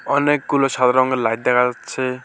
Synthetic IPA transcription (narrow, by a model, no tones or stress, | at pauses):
ɔnekɡulosad̪ɾɔŋɡelajt̪̚d̪ɛkʰat͡ʃʰe